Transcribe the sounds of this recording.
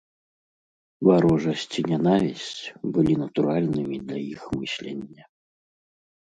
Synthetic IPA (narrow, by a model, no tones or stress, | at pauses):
vaɾɔʐɐsʲt͡sʲinʲɛnavʲisʲt͡sʲbɨlʲinɐt̪uɾalʲnɨmʲid̪lʲɐjixmɨsʲlʲɛnʲːɐ